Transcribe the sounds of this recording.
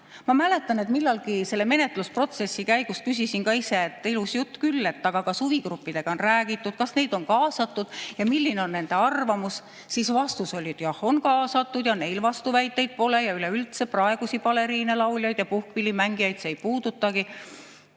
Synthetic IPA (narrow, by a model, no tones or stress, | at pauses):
mɑmæle̞t̪ːˑɑne̞t̪milːɑlɡise̞lːe̞me̞ne̞t̪ˑluspro̞t̪se̞sːikæjɡ̥ust̪̚kysisinkɑise̞ːt̪ːˑilusjut̪ːkylːe̞t̪ːɑɡ̥ɑkɑsuviɡ̥rupːid̪̥e̞ɡ̥ɑo̞nræːɡit̪ːud̪̥̚kɑsne̞jd̪̥o̞nkɑːsɑt̪ˑːud̪̥jɑmilʲːine̞o̞nːe̞nd̪̥e̞ɑrvɑmus | sisvɑst̪uso̞lʲiet̪jɑho̞nkɑːsɑt̪ːˑud̪̥jɑne̞jlvɑst̪uvæjt̪ːe̞jd̪̥̚po̞le̞jɑyleylt̪seprɑe̞ɡ̥usipɑle̞ɾiːnelɑwljɑjd̪jɑpuhkvilʲːimæŋɡijɑjt̪seejpuːd̪̥ut̪ːɑɡ̥i